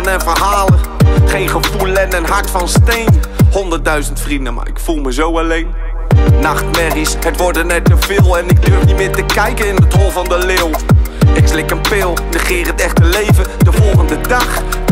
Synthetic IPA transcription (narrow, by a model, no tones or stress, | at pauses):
nɛnvərhaːləχejnχəvulˠɛnɛnɦaɹtfɔnstejnhɔndərt̚dœɥzəntfridnəma̰ɪkfulˠməzowəlejn | naxtmɛrishətʋɔrdənɛtəv̥ɪːlˠɛnɪk̚dørfnitmɪːtəkɛjkəɪndətolˠvɔndəlɪw | ɪkslɪkənpɪlˠdəχɪːrətɛxtəlejvədəvɔlˠɣəndədax